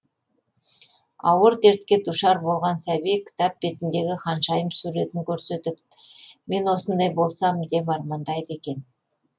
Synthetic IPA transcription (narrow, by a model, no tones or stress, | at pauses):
ɑ̰wəɾd̪e̞ɾt̪̚kʲe̞d̪uʃɑɾbo̞lˠʁɑnsæbijkʲʰɪ̥t̪ap̚be̞t̪ɪnd̪e̞ɡʲɪqɑnʃɑjəmsuɾe̞t̪ɪŋkʲʰɵɾse̞t̪ɪp̚me̞nwo̞sənd̪ɑjbo̞lˠsɑmd̪e̞pɑɾmɑnd̪ɑjd̪e̞kʲe̞n